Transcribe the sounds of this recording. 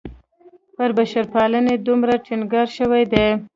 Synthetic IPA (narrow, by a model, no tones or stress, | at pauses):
pəɾbaʃaɾpɑləned̪umɾaʈʰinɡɑɾʃəwajd̪e